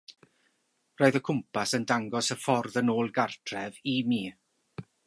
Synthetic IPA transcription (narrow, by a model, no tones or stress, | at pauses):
roːɨðəkʰʊmpʰasəndaŋɡɔsəfɔrðənoːlˠɡartʰrɛvimiː